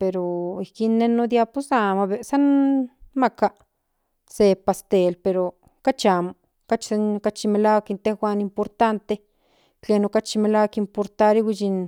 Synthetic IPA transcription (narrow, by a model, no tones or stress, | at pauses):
peɾoikinːenod̪japusamaβesanmaka | sepast̪elpeɾo | kat͡ʃamo | kat͡ʃkat͡ʃimelawakint̪exʷwanimpoɾt̪ant̪e | t͡ɬenokat͡ʃimelawakimpoɾt̪aɾiwʷid͡ʒin